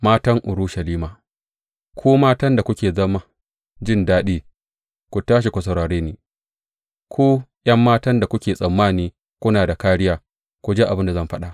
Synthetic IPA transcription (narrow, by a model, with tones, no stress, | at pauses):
maː˦tɐ˦ŋʔʊ˨ɽu˦ʃɐ˨liː˦maː˨ | kʷoː˦maː˦tɐ˦nda˨kʷʊ˦kʲeː˨zɐ˦ma˦ | d͡ʒɪ˦ndaː˦ɗiː˦ | kʷu˨taː˦ʃ̬i˨kʷʊ˨s̬ɐ˨ɾaː˨ɽeː˦niː˦ | kʰʷoː˦j̰ɐ˦mːaː˦tɐ˦nda˨kʷʊ˦kʲeː˨sʼɐ˨mːaː˦˨niː˦ | kʷʊ˦naː˨da˨kaː˦ɽɪ˦jaː˨ | kʷu˨d͡ʒeː˦ʔa˨bɪ˦nda˨zɐ˦˨mɸɐ˦ɗa˨ʔ